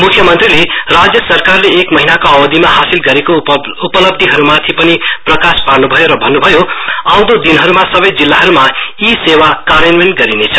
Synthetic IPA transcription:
mukʰjʌmʌnt̪rilerad͡zjʌsʌrkarleːkmʌɦinakoʌbʌd̪ʱimaɦasilɡʌɾeko | upʌlʌb̚d̪ʱiɦʌɾumat̪ʰipʌniprʌkasparnubʱʌjoɾʌbʱʌnːubʱʌjoaw̃d̪od̪inɦʌɾumasʌbʌjd͡zilːaɦʌɾumaisewakamenmenɡʌɾinet͡sʰʌ̥

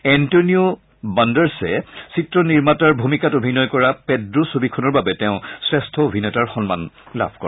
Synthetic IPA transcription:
ɛntoniu | bandɛɹsɛsitɹɔniɹmataɹbʱumikatobʱinɔjkɔɹapɛdɹosobikʰɔnɔɹbabɛtɛʊ̃sɹɛstʰɔobʱinɛtaɹxɔnma̰nla̰bʱkɔ̰ɹ

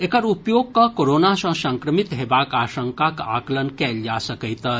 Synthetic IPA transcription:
ekəɾupjoːɡ̚kakoɾoːnasɐ̃sɐ̃ŋkɾəmit̪ɦeːbaːkaːʃə̃ŋkaka̰ːklənkɛːld͡ʒaːsɐkəjt̪ɐ

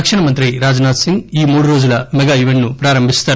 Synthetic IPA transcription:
ɐkʂɐɳɐmɐnt̪ɾiɾaːd͡ʒnaːt̪siŋɡiːmuːɽuɾo̞ːd͡ʒulɐmɛɡaːiʋeɳʈnupɾaːɾɐmbʱist̪aː

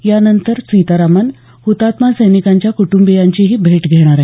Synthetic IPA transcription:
janənt̪əɾt͡sit̪aɾaman | hut̪at̪masəjnikaɲt͡ɕjakuʈumbijaɲt͡ɕiɦiːbʱeʈɡʱeɽ̃aɾaɦi

